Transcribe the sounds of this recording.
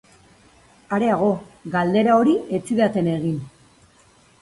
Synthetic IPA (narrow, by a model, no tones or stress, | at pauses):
aɾe̞aɣ̞o̞ɣald̪e̞ɾao̞ɾie̞t͡siðat̪e̞ne̞ɣin